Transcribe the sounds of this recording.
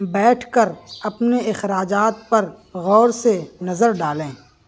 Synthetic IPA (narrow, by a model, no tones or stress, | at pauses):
bɛːʈʰkəɾɐpneɪxɾaːd͡ʒaːt̪̚pɐɾ | ɣɔːɾsenɐzəɾɖaːlẽː